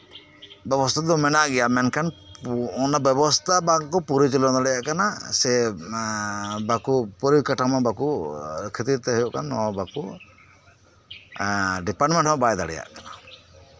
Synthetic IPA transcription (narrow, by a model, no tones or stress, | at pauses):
bɔbɔst̪ʰad̪ɔmɛnaʔɡɛjamɛnkʰanɔnabɔbɔst̪ʰabakupuɾit͡ʃilɔnad̪aɽijaʔkanasɛ | bakupɔɾikaʈʰamabakukʰit̪iɾt̪ɛɦejuʔkanɔbaku | ɖipaɾʈmɛɳʈmɔbajd̪aɽɛ̰ja̰ʔkana